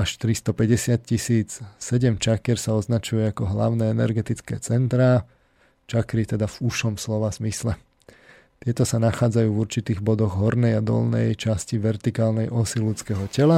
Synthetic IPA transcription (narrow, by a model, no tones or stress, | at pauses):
aʃt̪ɾist̪ɔpɛɟɛsɪat̪̚cisiːt͡ssɛɟɛmt͡ʃakɪɛɾsaɔznat͡ʃujɛakɔɦla̰ʊnɛːɛnɛɾɡɛt̪it͡skɛ̰ːt͡sɛnt̪ɾaː | t͡ʃakɾit̪ɛd̪avuʃɔmslɔʋaz̥mislɛ | t̪ɪɛt̪ɔsanaxaːd͡zajuːvuɾt͡ʃit̪iːɣbɔd̪ɔɣɦɔɾnɛjad̪ɔ̰lnɛ̰jt͡ʃasciʋɛɾt̪ikaːlnɛjʔɔsilut͡skɛɦɔcɛla